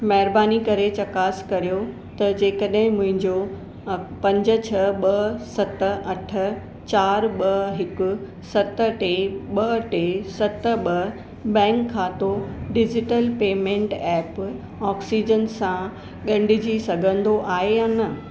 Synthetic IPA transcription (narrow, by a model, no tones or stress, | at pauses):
mɐɦɪɾbaːnikɐɾet͡ɕɐkaːskɐɾijo | t̪ɐd͡ʑeːkəɗɦɪ̃mʊ̃ɦɪ̃ɲd͡ʑo | pɐ̃ɲd͡ʑə̆t͡ɕʰɐɓɐsɐt̪ə̆ʔɐʈʰə̆ | t͡ɕaːɾɓɐɦɪkʊ̆ | sɐt̪ə̆ʈeɓɐʈesɐt̪ə̆ɓɐ | bɛ̃ːŋkʰːãːt̪oɖɪd͡ʑɪʈəlpeːmẽːɳʈɛːp | ɔːksid͡ʑənsã | ɠɐ̃ɳɖʱɪd͡ʑisɐɡʱə̃nd̪oʔaːɦejaːnɐ